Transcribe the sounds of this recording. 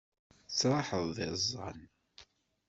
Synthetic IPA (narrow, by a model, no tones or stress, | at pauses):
t͡sːɾˤɑħəðˤːɪzˤːɑ̰n